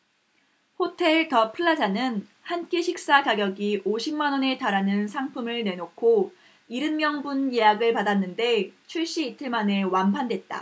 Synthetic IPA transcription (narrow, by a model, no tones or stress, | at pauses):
hotʰe̞ɭtʌpʰɯɭːad͡ʑanɯn | hank͈eɕʰik̚s͈akaɡjʌɡiʔoɕʰimːanwʌne̞taɾanɯnsʰaŋpʰɯmɯɭne̞nokʰo | iɾɯnmjʌŋbunje̞jaɡɯɭpadanːɯnde̞t͡ɕʰuɭɕ͈iːtʰɯɭmane̞wanpʰande̞t̚t͈a̰